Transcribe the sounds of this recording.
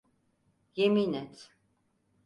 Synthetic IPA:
jeminɛt̪

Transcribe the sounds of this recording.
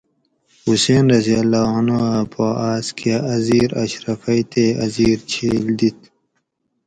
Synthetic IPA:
huseːnɾɐzijɐlːaːɦɐnoɐpʰoaːskaɐziːɾɐɕɾɐfɐit̪eːɐziːɾt͡ɕʰeːld̪it̪̚

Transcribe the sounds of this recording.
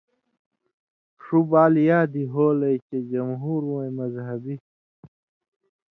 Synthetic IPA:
ʂubaːljaːd̪iɦoːlɐjt͡ɕed͡ʑɐmɦuːɾũẽmɐzɦɐbi

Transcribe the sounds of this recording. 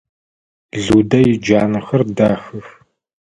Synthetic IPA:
ɮuːdɐjɪd͡ʒaːnɐxɐrdaːxɨf

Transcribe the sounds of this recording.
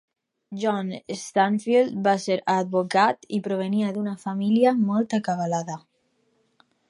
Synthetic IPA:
ʒɔnest̪aɱfild̪baseɾad̪̚βokat̪ipɾoβ̞eniaðunafamiljamɔlˠt̪akaβalaða

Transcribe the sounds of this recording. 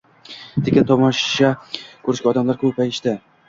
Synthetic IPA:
t̪ʰekʲɪnt̪ʰɒmɒʃakʰɵɾɪʃɡʲaɒd̪amlaɾkʰɵpajɪʃt̪ɪ

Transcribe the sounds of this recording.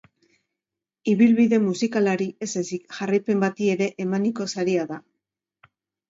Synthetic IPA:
iβilβiðe̞musikalaɾie̞sasikʝarajpe̞mbat̪ie̞ɾe̞ʔemaniko̞saɾiaða

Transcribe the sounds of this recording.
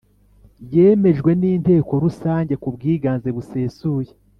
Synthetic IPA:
jeːme̞ʒɡwe̞niːnte̞ːko̞ɾusaːɲɟe̞kubɡiːɡaːnzeβuse̞ːsuːje

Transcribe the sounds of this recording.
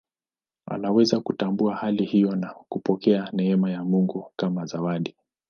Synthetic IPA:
a̰lawɛzakutambuahalihijɔnakupɔkɛanɛɛmajamuŋɡukamazawaɗi

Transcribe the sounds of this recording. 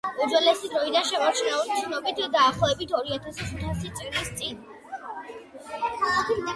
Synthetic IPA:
ud͡ʒwɛlɛsid̪ɾɔid̪anʃɛmɔɾt͡ʃʰnɛulʃnɔbit̪ʰd̪aːχlɔɛbit̪ʰɔɾiat̪ʰasχut̪ʰasit̪sʼiɡnist̪sʼin

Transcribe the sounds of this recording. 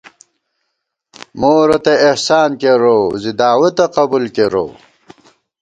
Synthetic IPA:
moːɾɐt̪eihsaːnkeɾozid̪aːwɐt̪ɐqɐbulkeɾo̰

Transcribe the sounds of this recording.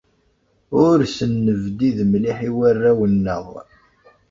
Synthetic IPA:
ʊɾsənːəvd̪iðmliħiwærːæwənːəðˤ

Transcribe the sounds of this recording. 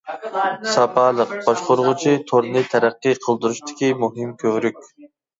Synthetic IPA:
sɑpʰɑːlˠəq̚b̥ɑʃqoɾʊʁʊt͡ʃʰit̪ʰoɾnɨt̪ʰɛɾæqːɨqʰəlˠd̪uɾuʃt̪ʰɪ̥kʲimuɦɨmkʲʰøwɾykʲ

